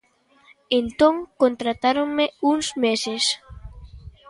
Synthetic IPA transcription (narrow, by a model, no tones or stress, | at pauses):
ent̪õŋkont̪ɾat̪aɾoŋmeuŋzmeses